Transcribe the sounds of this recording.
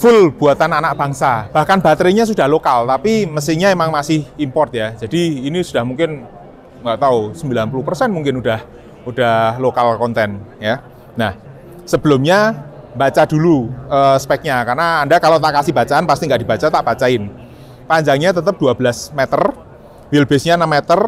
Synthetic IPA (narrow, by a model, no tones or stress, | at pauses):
fʊlb̥uat̪ananaʔ̚b̥aŋsab̥ahkanbat̪ɾiɲas̬ud̥ahlokalt̪apiməsiɲaemaŋmasɪhimpɔrt̪jad͡ʒadiːnisud̥ahmuŋkɪn | ŋɡaʔt̪ausəmbilanpuluhpərsɛnmuŋkɪnud̥ah | ud̥ahlokalkɔnt̪ɛnjaː | ah | səb̥əlʊmɲa | mbat͡ʃaduluʔəspɛk̚ɲakarnaːndakalot̪aʔkasɪhb̥at͡ʃaanpast̪iŋɡaʔd̥i̤bat͡ʃat̪aʔb̥at͡ʃaɪn | paɲd͡ʒaŋɲat̪ət̪əp̚d̥uabəlasmɛt̪ər | wɪlbɛsɲanəmːɛt̪ər